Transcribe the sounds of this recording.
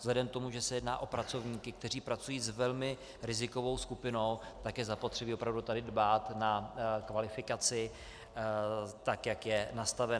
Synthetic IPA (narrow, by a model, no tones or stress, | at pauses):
zlɛdɛmt̪o̞muʒɛsɛjɛdna̰ːʔo̞pɾat͡so̞vɲiːkɪkt̪ɛriːpɾat͡sujiːzvɛlmɪ | ɾɪzɪko̞vo̞wskupɪno̞wt̪akjɛzapo̞t̪r̝̥ɛbiːo̞pɾavdut̪adɪdbaːt̪nakvalɪfɪkat͡sɪ | t̪akjakjɛnast̪avɛ